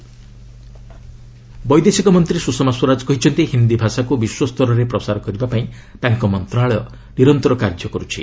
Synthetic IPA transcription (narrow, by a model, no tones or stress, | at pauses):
bɔjd̪esikɔmɔnt̪ɾisusɔmaswɔɾad͡ʒɔkɔɦit͡ʃʰɔnt̪iɦind̪ibʱasakubiswɔst̪ʰɔɾɔɾepɾɔsaɾɔkɔɾibapaĩ | t̪aŋkɔmɔnt̪ɾaɭɔjɔ | niɾɔnt̪ɔɾɔkaɾd͡ʒɔkɔɾut͡ʃʰḭ